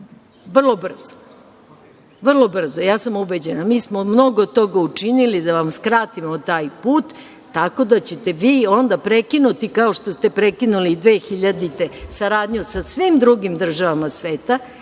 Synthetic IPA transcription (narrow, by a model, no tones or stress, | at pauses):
ʋr̩lˠo̞br̩zo̥ | ʋr̩lˠo̞br̩zojaːsamubed͡ʑenamiːsmomno̞ɡot̪o̞ɡaut͡ʂinilid̪aʋamskɾaːt̪imot̪aːjpuːt̪ː | ako̞d̪at͡ɕe̞t̪e̞ʋiːo̞nd̪apɾe̞kinut̪ikao̞ʃt̪ost̪e̞pɾe̞kinulid̪ʋeːxiʎad̪it̪esaɾaːd̪ɲusasʋimd̪ɾuɡimd̪r̩ʒaʋamasʋeːt̪a